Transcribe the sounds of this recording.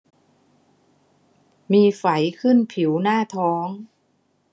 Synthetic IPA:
miː˧fa˩˦jkʰɯ˥˩npʰi˩˦wnaː˥˩t̪ʰɔː˦˥ŋ

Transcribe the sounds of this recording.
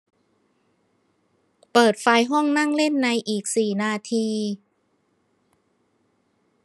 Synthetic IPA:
pɤː˨˩t̪̚fa˧jɦɔ˥˩ŋna˥˩ŋle˥˩nːa˧jʔiː˨˩k̚siː˨˩naː˧t̪ʰiː˧

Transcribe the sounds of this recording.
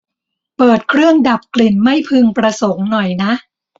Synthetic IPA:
pɤː˨˩t̪̚kʰɾɯ˥˩əŋda˨˩p̚kli˨˩nma˥˩jpʰɯ˧ŋpɾa˧so˩˦ŋnɔ˨˩jna˦˥ʔ

